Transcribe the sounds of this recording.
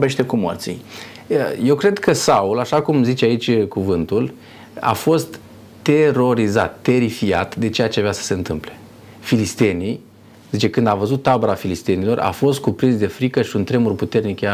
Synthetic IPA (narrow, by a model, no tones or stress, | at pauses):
obe̞ʃt̪ekumo̰rt̪sḭj | je̞wkɾe̞d̪kʰəsaulaʃakumzit͡ʃeait͡ʃʲkuvɨnt̪ul | a̰fo̞st̪ː | e̞ɾo̞ɾiza̰t̪ːe̞ɾifia̰t̪d̪e̞t͡ʃe̞jat͡ʃeaveasə̥se̞ɨnt̪ɨmple̞̥ | filist̪e̞ni | zit͡ʃe̞kɨnd̪avəzut̪ːabəɾafilist̪e̞nilo̞rʔa̰fo̞st̪̚kupɾinsd̪e̞fɾikəʃiunt̪ɾe̞murput̪e̞rnikja